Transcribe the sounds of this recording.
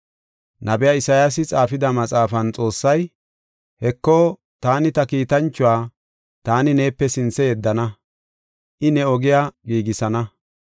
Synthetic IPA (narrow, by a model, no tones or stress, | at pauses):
nʔɐbɛjaːɪsɐjasɪt͡sʼaːfɪd̪ɐmɐt͡sʼaːfɐnt͡sʼo̞ːsːɐj | hɛkːoː | t̪aːnɪt̪ɐkiːt̪ɐnt͡ʃːʊwaː | t̪aːnɪne̞ːpːɛsɪnt͡sːɛjɛd̪ːɐnɐ | ʔɪnɛɔɡɪjaɡiːɡɪsɐnɐ